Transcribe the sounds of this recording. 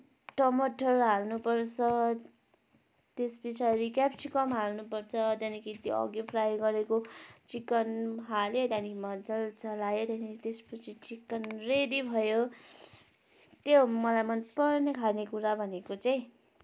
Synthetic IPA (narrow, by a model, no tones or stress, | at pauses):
ʈʌmʌʈʌrɦalnupʌrt͡sʰʌ | t̪espʌt͡sʰiʌɾikapsikʌmɦalnupʌrt͡sʰʌt̪janikʰit̪joʌ̰ɡjoprajɡʌɾekot͡sikʌnɦalet̪anikʰimʌnd͡zʌlt͡sʌlajot̪janiit̪espʌt͡sʰit͡sikʌnredibʱʌjo | t̪jomʌlajmʌnpʌrnekʰalnekuɾabʱʌnekot͡saj̃